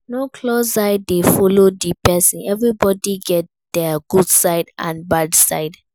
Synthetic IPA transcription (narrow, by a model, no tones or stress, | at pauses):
nokʰlosaɪdefɔlodipɛsĩnɛvɹibɔdiɡɛt̚ | d̥ɛɡudsaɪdã̰nbadsaɪd